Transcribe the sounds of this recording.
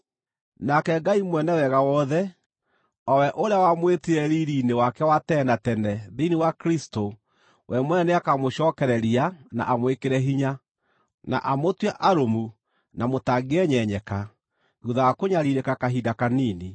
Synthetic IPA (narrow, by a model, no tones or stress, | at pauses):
nakɛɡaimwɛnɛwɛɣawɔðɛ | ɔwɛʔoɾejawamweteɛɾiɾiːnewakɛwatɛnatɛnɛðeiniwakɾisto | wʔɛmwɛneakamoɕɔːkɛɾɛɾiana̰ʔamwekeɾɛɦiɲa | na̰ʔamotwɛʔaɾomu | namotaɡeɛɲɛɲɛka | ɣuðawakoɲaɾiɾekakaɦidakaniːni